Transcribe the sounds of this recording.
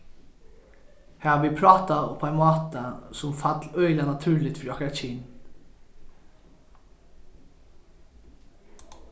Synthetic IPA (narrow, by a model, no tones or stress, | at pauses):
hæːhɑːʋiːpʰɾɑːt̪ɑɔ̰pʰːæɪmɑːt̪əsʊmfɑt̪ʰlœʏlənɑt̪ʰʉːɭɪt̪fɔɾɑkɑt͡ʃiːn